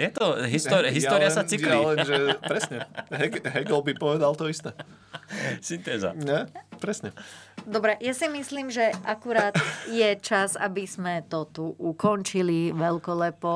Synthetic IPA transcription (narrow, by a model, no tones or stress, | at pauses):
jɛt̪ɔɦisɔɾɦist̪ɔːɾiasat͡siklillɛʒɛpɾɛsɲɛɦɛɡɦɛɡɛlbipɔʋɛd̪alˠt̪ɔist̪ɛː | sint̪ɛːza̰ɲɛpɾɛsɲɛd̪ɔbɾɛjasimisliːmʒɛakuɾaːt̪jɛt͡ʃaza̰bizmɛt̪ɔt̪uʔukɔnt͡ʃiliʋɛlkɔlɛpɔ